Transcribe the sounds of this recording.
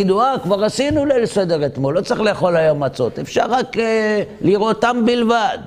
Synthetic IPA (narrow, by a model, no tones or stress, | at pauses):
id̪uakvaʁasinulelesed̪eʁet̪mo̞lːo̞t͡sʁiχleːχo̞lajo̞mːat͡so̞̰t̪efʃaʁːak | liʁot̪ambilvad̪